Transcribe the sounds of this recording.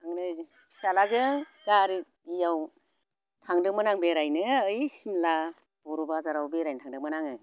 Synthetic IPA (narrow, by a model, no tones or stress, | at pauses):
aŋnɯ | salazɯŋ | ɡaɾi | ijaw | tʰaŋdɯmɯnaŋbeɾajnɯɯjsimla | b̥ɔɾubazaɾawbeɾajntʰaŋdɯkmɯnaŋɯ